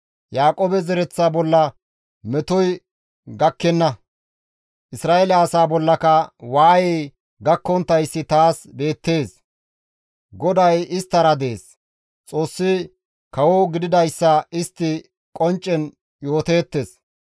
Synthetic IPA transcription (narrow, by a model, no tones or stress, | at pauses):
jaːkʼoːbɛzɛɾɛt͡sːabɔlːɐ | mɛt̪ɔj | ɡɐkːɛnːɐ | ʔɪsɾaːelɛːsaːbɔlːɐkɐwaːjɛj | ɡɐkːɔnt̪ːɐjsːɪt̪aːsbe̞ːt̪ːe̞ːs | ɡɔd̪ɐjɪst̪ːɐɾɐd̪e̞ːs | t͡sʼo̞ːsːɪ | kɐwɔɡɪd̪ɪd̪ɐjsːɐɪst̪ːɪ | kʼɔnt͡ʃʼːɛn | jo̞ːt̪e̞ːt̪ːe̞s